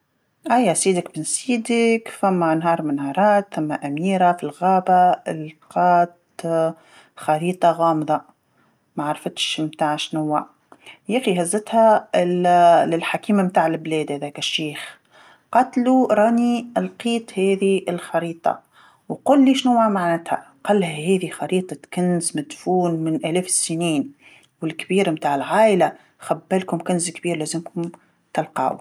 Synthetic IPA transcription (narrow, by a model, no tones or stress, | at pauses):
ʔajasiːd̪ɪkbɪnsiːd̪ɪkfamːanɦɑːɾˤmɪnhɑːɾˤɑːt̪θamːaʔamiːɾafilɣaːbaɪlqɑːt̪ | xɑɾiːt̪ˤɑɣɑːmðˤɑ | maʕaɾˤfɪt̪ʃmt̪aːʕʃnʊwːa | jæːxiɦazːɪt̪ha | lɪlħakiːmamt̪aːʕɪlbleːd̪hæðæːkɪʃːeːx | qɑt̪luɾˤɑːniʔlqiːt̪ˤheːðiɪlxɑɾiːt̪ˤɑ̰ | wqʊlːiːʃnʊwamaʕnɪt̪ha̰ | qɑlːhæheːðixɑɾiːt̪ˤɑkɪnzmɪd̪fuːnmɪnʔæleːfsːɪniːn | wɪlkbiːɾmt̪aːʕɪlʕaːʔɪla | xabːalkʊmkʊnzkbiːɾlæzɪmkʊm | t̪ɪlqɑ̰ːw